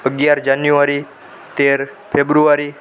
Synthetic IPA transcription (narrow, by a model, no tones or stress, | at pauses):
əɡjaɾd͡ʒanjuaɾi | t̪eɾ | pʰebɾuaɾi